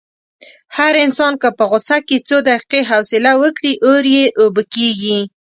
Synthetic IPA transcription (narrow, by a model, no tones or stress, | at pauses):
haɾɪnsɑnkəpəɣʊsaket͡sod̪aqi̥qeɦawsɪlawəkɽiʔoɾjeʔobəkeɡi